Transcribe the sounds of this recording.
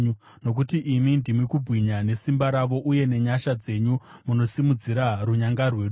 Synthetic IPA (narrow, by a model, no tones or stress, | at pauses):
u | no̞k̬utiʔimindimwikubʱwiɲane̞simbaɾaʋo̞ʔuje̞ne̞ɲaʃad͡ze̞ɲu | muno̞simud͡ziɾaruɲaŋɡarweɗu